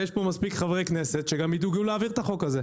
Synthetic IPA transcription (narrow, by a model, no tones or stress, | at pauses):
jeʃpo̞maspikχavʁeknese̞t̪ʃeɡamiduɡuleaviʁt̪aχo̞kaze